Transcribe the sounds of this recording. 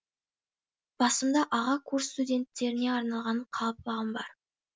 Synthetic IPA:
b̥ɑsəmd̪ɑʔɑʁɑkʰuɾst̪udʲe̞nt̪ːe̞ɾɪne̞ɑɾnɑlˠʁɑnɴqʰɑlˠəp̚ːɑʁəmbɑɾ

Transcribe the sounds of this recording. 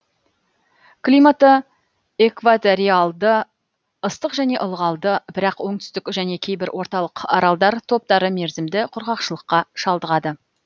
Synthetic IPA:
klʲimat̪ə | ekvat̪oɾialˠd̪ə | əst̪əqʒæne̞ʔʊlˠʁɑlˠd̪əbɪɾɑqwo̞ɴt̪ʏ̥st̪ɪkʒæne̞kʲʰe̞jbɪɾwʔo̞ɾt̪ɑlˠəqɑ̰ɾɑlˠd̪ɑɾt̪ʰo̞p̚t̪ɑɾəme̞ɾzɪmd̪ɪqʰʊɾʁɑqʃəlˠəqːɑʃɑlˠd̪əʁɑd̪ə

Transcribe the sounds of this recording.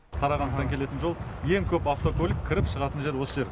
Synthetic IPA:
qʰɑɾɑʁɑnsɑɑŋkʲʰe̞le̞t̪ɪnʒo̞lˠje̞ŋkʲʰɵpaft̪o̞kʰɵlʲɪk̚ʲʰːɪɾɪpʃəʁɑt̪ənʒe̞ɾwo̞səʒe̞ɾ

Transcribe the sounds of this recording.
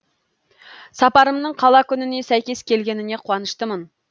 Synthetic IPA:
sɑpɑɾəmnəɴqʰɑlˠɑkʲynɪnesæjkʲeskʲelɡʲenɪneqʰʊwɑnəʃt̪əmən

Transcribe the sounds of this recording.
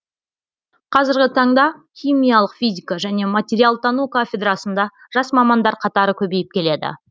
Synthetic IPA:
qʰɑzɪɾɡʲɪt̪ʰɑɴd̪ɑχʲijmʲijɑlˠəqfʲijzʲikaʒæne̞mat̪ʲeɾʲialˠt̪ʰɑnukofʲe̞d̪rɑsənd̪ɑ | ʒ̥ɑsmɑmɑnd̪ɑɾqʰɑt̪ɑɾəkʲʰɵbe̞jɪp̚kʲʰe̞le̞d̪ɪ̰

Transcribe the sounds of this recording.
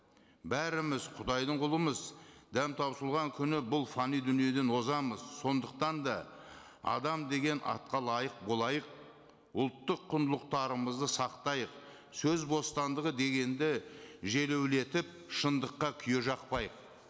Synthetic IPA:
bæɾɪmɪzqʰʊd̪ɑjd̪əɴqʰʊlˠəməzd̪æmt̪ʰɑpsəlˠʁɑŋkʲʰʏnɪbʊlˠfanijd̪ʏnije̞d̪e̞nwo̞zɑməzso̞nd̪əq̚t̪ɑnd̪ɑ | ɑ̰d̪ɑmd̪e̞ɡʲe̞nʔɑ̰t̪̚qɑlˠɑjəq̚bo̞lˠɑjəq̚ | ʊlˠt̪ːəqʰːʊnd̪əlˠəq̚t̪ɑɾəməzd̪əsɑqt̪ɑjəq̚ | sɵzbo̞st̪ɑnd̪əʁəd̪e̞ɡʲe̞nd̪ɪʒe̞le̞wle̞t̪ɪp̚ | ʃənd̪əqːɑkʲʰʏje̞ʒɑqpɑjəq̚

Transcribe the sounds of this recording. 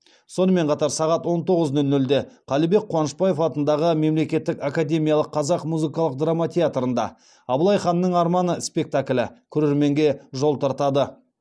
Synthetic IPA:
so̞nəme̞ɴqʰɑt̪ɑɾsɑʁɑt̪wo̞nt̪o̞ʁəznɵlːɵld̪e̞qʰɑlibe̞k̚qʰːowɑnəʃpɑje̞fɑt̪ənd̪ɑʁəme̞mle̞kʲe̞t̪ːɪkakad̪ʲe̞mʲijɑlˠəqʰːɑzɑqmuzɨkɑlˠəq̚d̪ramat̪ʰʲeat̪ɾənd̪ɑ̰ | ɑbəlˠɑjχɑnːəɴɑɾmɑnəspe̞k̚t̪aklʲɪ̰kʲʰɵɾe̞ɾme̞ŋɡʲe̞ʒo̞lˠt̪ʰɑɾt̪ɑd̪ə

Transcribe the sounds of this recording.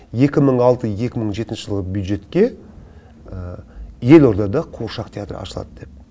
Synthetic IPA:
je̞kʲɪməɴɑlˠt̪əje̞kʲɪməɴʒe̞t̪ɪnʃəɪʒəlˠʁəbjud̪ʒe̞t̪kʲe̞ | əje̞lo̞ɾd̪ɑd̪ɑqʰuʃɑqt̪ʰeat̪rə̰ɑ̰ʃəlˠɑ̰d̪əd̪̥e̞p̚

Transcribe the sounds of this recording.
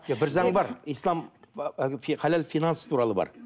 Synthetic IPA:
jabɪɾzɑɴbɑɾijslˠɑm | fχalælfʲijnanst̪ʰuɾɑlˠəbɑ̰ɾ

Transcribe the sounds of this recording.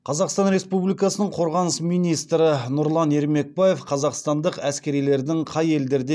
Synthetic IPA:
qʰɑzɑqst̪ɑnɾe̞spublikɑsənəɴqʰo̞ɾʁɑnəsmijnijst̪ɾənʊɾlˠɑne̞ɾme̞k̚baje̞fqʰɑzɑqst̪ɑnd̪əqæskʲe̞ɾijle̞ɾd̪ɪŋqʰɑje̞ld̪eɾd̪e

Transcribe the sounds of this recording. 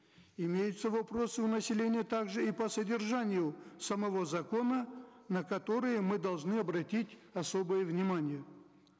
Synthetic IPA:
ɪmʲejʊt̪səvɐpɾo̞sɨvnəsʲɪlʲenʲɪjət̪aɡʐɨipəsədʲɪrʐanʲɪjʊsəmɐvo̞zɐko̞nənəkɐt̪o̞ɾɨjəmɨd̪ɐlˠʐnɨɐbɾɐtʲitʲɐso̞bɨjəvnʲɪmanʲɪjə

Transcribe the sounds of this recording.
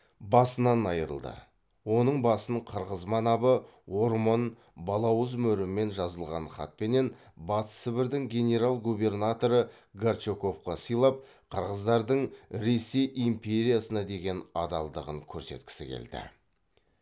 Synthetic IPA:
bɑsənɑnɑjəɾə̰lˠd̪ə̰ | wo̞nəɴbɑsəɴqʰəɾʁəzmɑnɑbə | wo̞ɾmo̞n | bɑlˠɑwəzmɵɾɪmːe̞nʒɑzəlˠʁɑnχɑ̰t̪̚pe̞ne̞n | bɑt̪ə̥sɪbɪɾd̪ɪŋɡʲe̞nʲe̞ɾalˠɡube̞rnat̪o̞ɾə | ɡart͡ʃoko̞fqɑsəjlˠɑp̚ | qʰəɾʁəzd̪ɑɾd̪əɴɾe̞se̞jʔimpʲe̞ɾʲijasənɑd̪e̞ɡʲe̞nɑd̪ɑ̰lˠd̪əʁəŋkʲʰɵɾse̞̰t̪kʲɪ̥sɪkʲʰḛld̪ɪ̰

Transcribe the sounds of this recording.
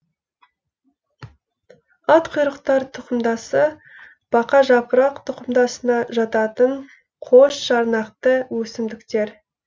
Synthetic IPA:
ɑt̪qʰʊjɾəqt̪ɑɾt̪ʰʊqəmd̪ɑsə | b̥ɑqɑʒɑpəɾɑqt̪ʰʊqəmd̪ɑsənɑʒɑt̪ɑt̪əɴ | qʰoʃʃɑɾnɑqt̪əwɵsɪmd̪ɪkt̪e̞ɾ

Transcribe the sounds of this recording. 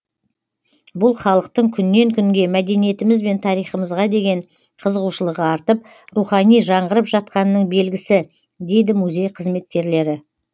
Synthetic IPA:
bʊlˠχɑlˠəq̚t̪əɴkʲʰʏnːe̞ŋkʲʰʏŋɡʲe̞mæd̪e̞nije̞t̪ɪmɪzbe̞nt̪ʰɑɾijχəməzʁɑd̪e̞ɡʲe̞ɴ | qʰəzəʁuʃəlˠəʁəɑɾt̪əp̚ | ruχɑnijʒɑɴʁəɾəpʒɑt̪̚qɑnəːəɴbe̞lɡʲɪsɪ | d̪e̞jd̪ɪmuzʲe̞jqʰəzme̞t̪̚kʲe̞ɾle̞ɾɪ

